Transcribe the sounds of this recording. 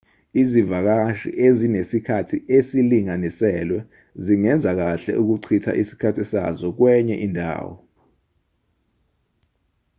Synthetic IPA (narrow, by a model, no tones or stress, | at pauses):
izivak̬aʃḭʔezinesikʰatʰiesiliŋanisɛlwɛ | ziŋɛnd͡zʱak̬aɬɛ̰ʔuk̬uǀʰitʰa̰ʔisi̥kʰatʰisa̰zɔk̬wɛɲɛ̰ʔindʱa̰ːwɔ